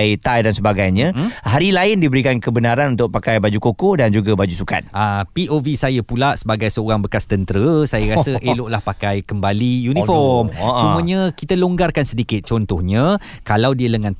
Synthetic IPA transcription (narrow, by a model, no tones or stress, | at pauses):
t̪ajdansəbaɡajɲə̃ɦaɾilaɪndibəɾikankəbənaɾanunt̪ʊk̚pakajbad͡ʒukokɔhdand͡ʒuɡabad͡ʒusuka̰t̪̚apiʔovisajəpulaʔsəbaɡajsəoɾaŋbəkast̪ənt̪əɾəsajəɾasəʔeloʔlahpakajkəmbalijunĩfɔmt͡ʃumə̃ɲə̃kit̪əloŋɡarkansədikɪt̪̚t͡ʃɔnt̪ɔhɲə̃ | kalawdiələŋãn